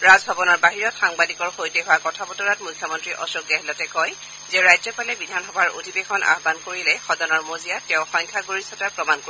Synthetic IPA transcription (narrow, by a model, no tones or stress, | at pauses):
ɹazbʱabɔnɔɹbaɦiɹɔtxaŋbadikɔɹxojteɦʊwakɔtʰapɔtɔnatmujkʰjɔmɔntɹiʔɔsoɡɛɦɛlɔtɛkɔj | zɛɹajzɔpalɛbidʱanxɔbʱaɹo̰dʱibekʰɔnʔa̰ɦbankoɹilɛxɔdɔnɔɹmozijatɛʊ̃xɔɲkʰaɡoɹisɔtapɹɔmanko